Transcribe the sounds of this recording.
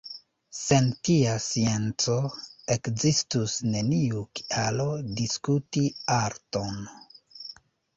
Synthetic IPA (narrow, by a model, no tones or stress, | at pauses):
se̞ntiasie̞nt͡so̞e̞kzistusne̞niuki̥alo̞diskutiaɾto̞n